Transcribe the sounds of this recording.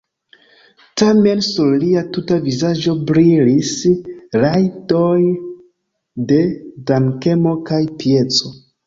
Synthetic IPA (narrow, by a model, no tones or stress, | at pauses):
tame̞nsuɾliatutavizad͡ʒo̞bɾilisɾajtoj | de̞daŋke̞mo̞kajpije̞t͡so̞